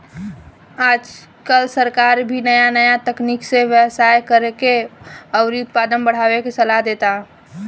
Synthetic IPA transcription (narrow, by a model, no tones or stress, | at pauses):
aːd͡ʒ | kəlsəɾkaːɾbʱinəjanəjat̪əkniːkseʋjəwsaːjkəɾekeəːɾiʊt̪̚paːd̪ənbəɽ̤aːwekesəlaɦd̪eːt̪a